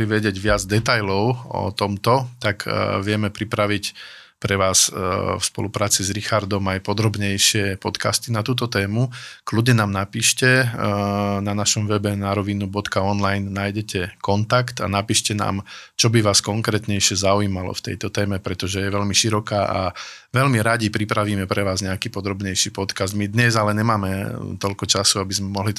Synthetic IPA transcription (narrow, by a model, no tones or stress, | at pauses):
liʋɛɟɪɛɟʋɪad͡zd̪ɛt̪ajlɔʊɔ̰t̪ɔmt̪ɔt̪akʋɪɛmɛpɾipɾaʋic | pɾɛʋaːsfspɔ̰lupɾaːt͡sizɾixaɾd̪ɔmajpɔd̪ɾɔbɲɛjʃɪɛpɔt̪ka̰st̪inat̪uːt̪ɔt̪ɛːmukludɲɛnaːmnapiːʃcɛ | nanaʃɔmʋɛbɛnaɾɔʋinubɔt̪kaɔnlajnːaːjɟɛcʰɛkɔnt̪akt̪a̰napiːʃcɛna̰ːmt͡ʃɔbiʋaːskɔŋkɾɛːt̪ɲɛjʃɪɛzauiːmalɔ̰ft̪ɛ̰jt̪ɔt̪ɛːmɛpɾɛt̪ɔʒɛjɛʋɛlmiʃiɾɔkaːʔa̰ʋɛlmiɾaɟipɾipɾaʋiːmɛpɾɛʋaːzɲɛakiːpɔd̪ɾɔbɲɛjʃiːpɔt̪kazd̪mid̪ɲɛzalɛɲɛmaːmɛt̪ɔʎkɔt͡ʃasuabizmɛmɔɦli